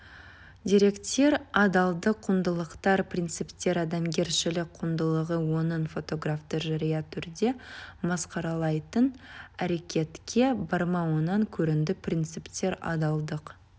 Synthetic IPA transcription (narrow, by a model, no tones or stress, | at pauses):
d̪ʲiɾe̞kt̪e̞ɾɑd̪ɑlˠd̪əqʰːʊnd̪əlˠəqt̪ɑɾprʲint̪sɨpt̪e̞ɾɑd̪ɑmɡʲe̞ɾʃɪlɪkqʰʊmd̪əlˠəʁəwo̞nənfo̞t̪o̞ɡraft̪əʒɑɾijɑt̪ʰʏɾd̪e̞mɑsqɑɾɑlˠɑjt̪ənæɾe̞kʲe̞t̪kʲʰe̞bɑɾmɑwonɑŋkʲʰɵɾɪnd̪ɪprʲint̪sɨpt̪e̞ɾɑ̰d̪ɑlˠd̪əq